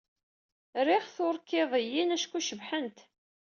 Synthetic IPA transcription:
ɾɪχθʊɾˤkːɪðˤəjːinæʃkːuʃəvħənt̪

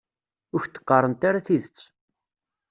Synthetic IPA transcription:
ʊɾçt̪ːə̥qːɑrˤənt̪aɾaθiðət͡sː

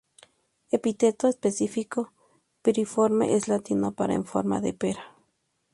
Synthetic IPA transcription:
epit̪et̪oespesifiko | peɾifoɾmḛʔeslat̪inopaɾa̰ḛɱfo̰ɾma̰ðḛpeɾa

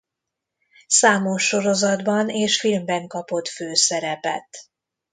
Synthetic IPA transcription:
saːmoʃːo̞ɾo̞zɒd̪bɒneːʃfilmbɛŋkɒpo̞t̪føːsɛɾɛpɛ̰t̪

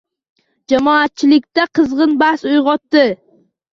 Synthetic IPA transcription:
d͡ʒamɒat̪̚t͡ʃʰɪlɪk̚ʲt̪aqʰɨzʁɨnbahsʊjʁɒt̪ːɪ

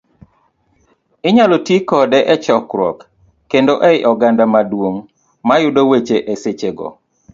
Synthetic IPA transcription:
ɪɲalotikɔdɛʔɛt͡ʃɔkɾwɔkː | endoʔɛɪʔɔɡandamadwoŋ | majʊdowet͡ʃeʔeset͡ʃeɡɔ̰

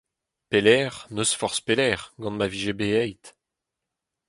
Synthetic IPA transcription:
pelɛːʁnøsfɔʁspelɛːʁɡɑ̃nmaviʒebeɛjt̪

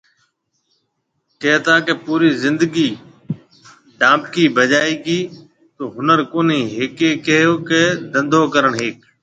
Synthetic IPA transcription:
keɦt̪aːkepuːɾiːzɪ̃nd̪əɡiː | ɖãːp̚kiːbəd͡ʒaːiːɡiː | t̪oːɦʊnəɾkoːniːɦeːkeːkəɦjoːkeːd̪ə̃nd̪ʱoːkəɾəɳɦeːk̚

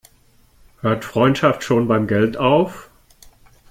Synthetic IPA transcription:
høːɐtfʁ̥ɔʏntʃaftʃoːnbaɪmɡɛltaʊf

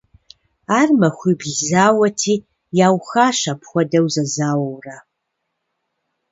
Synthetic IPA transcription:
aːrmɐxʷibɮzaːwɐtʰiː | jaːwxaːʃɐpʰxʷɔdɐwzɐzaːwɐwra

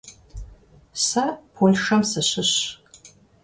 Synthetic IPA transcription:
sɐpʰolʂɐmsɐɕɪɕ

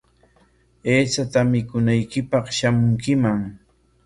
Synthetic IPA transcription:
eːt͡ʃat̪amɪkʊnajkɪpɑχʃamʊŋkɪmaŋ

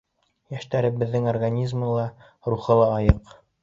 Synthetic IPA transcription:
jæʃt̪æɾɘbɘ̆ðːɘŋorɡanʲizmɤ̆lˠɑ | ɾuχɤlˠɑːjɤq

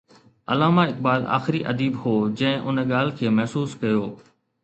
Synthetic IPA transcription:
ɐ̰laːmaɪk̚baːla̰ːxɪɾiʔɐ̰d̪iːbɦoːd͡ʑɐ̃ɦɪ̃ʔʊnɠaːl̤kʰeːmɐɦsuːskɐjoː

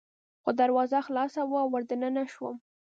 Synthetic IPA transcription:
xod̪aɾwɑzaxlɑsawaawːəɾd̪ənənaʃwə̰m

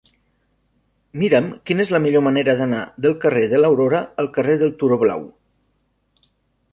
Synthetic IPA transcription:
miɾəmkinezləmiʎoməneɾəðəna̰ðəlˠkəreðələwɾoɾəəlˠkəreðəlˠt̪uɾoβla̰w

